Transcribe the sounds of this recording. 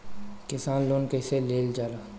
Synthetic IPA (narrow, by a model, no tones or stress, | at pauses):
kɪsaːnloːnkəɪseleːld͡ʒaːɾa